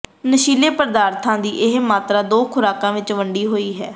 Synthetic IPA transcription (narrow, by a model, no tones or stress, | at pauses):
nəʃiːleːpəɾd̪aːɾt̪ʰãːd̪iːʔɪɦmaːt̪ɾaːd̪oːkʰʊɾaːkãːʋɪt͡ʃʋəɳɖiːɦoːiːɦɛː